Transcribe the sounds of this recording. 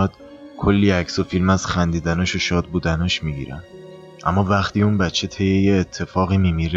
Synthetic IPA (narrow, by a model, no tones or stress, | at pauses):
d̪̥ | kʰolːiːæcso̞filmæz̥xænd̪iːd̪ænɒːʃoʃɒːd̪̚buːd̪ænɒːʃmiɟḭːɾæ̰n | ʔæ̰mːɒːvæχt̪iːunbætt͡ʃʰe̞t̪ʰe̞jeje̞ːt̪ʰːe̞fɒːɣiːmiːmiɾ